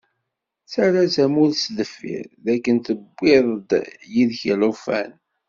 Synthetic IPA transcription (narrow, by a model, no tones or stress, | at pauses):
saɾasæmulsləfːḭɾðækːənt̪əbːɪðˤəd̪jiðçləfæ̰n